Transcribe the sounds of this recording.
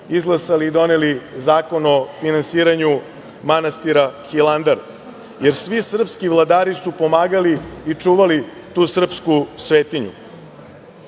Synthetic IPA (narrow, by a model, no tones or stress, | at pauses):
izɡlˠasaliːd̪o̞nelizaːko̞no̞finansiːɾaɲu | manast̪iɾaxiland̪aɾ | je̞ɾsʋisr̩pskivlˠad̪aːɾisupo̞maːɡaliːt͡ʂuːʋali | t̪uːsr̩pskusʋeːt̪iɲṵ